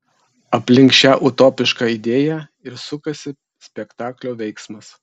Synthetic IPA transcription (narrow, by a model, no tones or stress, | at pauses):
ɐpʲlʲɪŋkʃʲæːʔʊt̪oːpʲɪʃkɑːid̪ʲeːjæ | ɪɾsʊkɐsʲɪ | sʲpʲɛkt̪ɑːklʲoːʋʲɛɪksmɐs